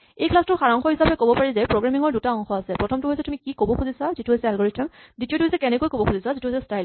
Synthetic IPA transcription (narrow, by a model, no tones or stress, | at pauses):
ejkʰlastʊxaɹɔŋxɔɦisapɛkobɔpaɹizɛpɹoɡɹamiŋɔɹdutaɔŋxɔasɛpɹɔtʰɔmtʊɦojsɛtumikikobɔkʰuzisazituɦojsɛalɡɔɹitʰɔmditiotʊɦojsɛkɛnɛkojkobɔkxʰuzisazituɦojsɛstajl